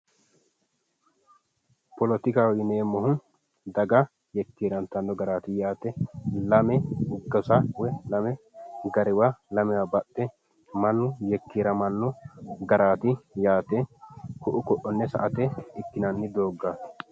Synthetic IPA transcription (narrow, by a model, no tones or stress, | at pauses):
pɔlɔt̪ɪkawɪneːmɔhʊn | d̪ɐɡɐ | jɛkːiːɾɐnt̪ɐnːɔɡɐɾaːt̪ɪjaːt̪ɛlɐmɛʊɡːɐsawɛlɐmɛ | ɡɐɾɪwalɐmɛwabɐɗːɛ | mɐnːʊjɛkːiɾɐmɐnːɔɡɐɾaːt̪ɪjaːt̪ɛkʊʔʊkɔʔːɔnːɛsɐ̰ʔɐt̪ɛɪkːɪnɐnːɪd̪oːɡːa